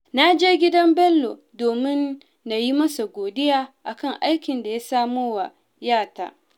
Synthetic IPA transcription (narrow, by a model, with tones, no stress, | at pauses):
na˦d͡ʒeː˦ɡʲɪ˦dɐ˦mbɛ˦lːo˨ | doː˨mɪ˦nː | a˨ji˦mɐ˦sa˨ɡʷoː˨dɪ˦jaː˦ʔa˨kɐ˦˨ŋʔa˦jkʲɪ˨nda˨ja˦saː˦moː˦wa˨ | jaː˦˨ta̰ː˨